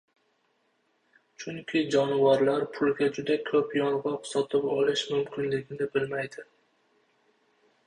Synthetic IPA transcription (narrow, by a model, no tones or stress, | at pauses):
t͡ʃʰʊŋkʲʰɪd͡ʒɒnvaɾlaɾpʰʊlˠɡʲad͡ʒʊd̪akʲʰɵpjɒnʁɒqsɒt̪ʰɪpɒlɪʃmʊmkʲʰɪnlɪɡʲɪnɪbɪlmajd̪ɪ